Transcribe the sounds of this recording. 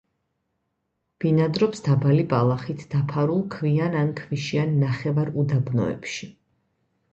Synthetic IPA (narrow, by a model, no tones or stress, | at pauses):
b̥inad̪ɾɔpsd̪̥abalibalˠaχit̪ʰd̪̥apʰaɾulˠkʰvianankʰviʃianːaχɛvaɾud̪abnɔ̰ɛ̰pʃi